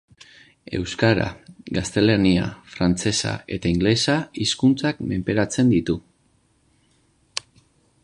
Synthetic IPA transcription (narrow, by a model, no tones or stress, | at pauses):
e̞̰wskaɾa̰ɡast̪e̞lenia̰fɾant͡se̞sa̰e̞t̪aiŋɡle̞saiskunt͡sakme̞mpe̞ɾat͡se̞nd̪it̪u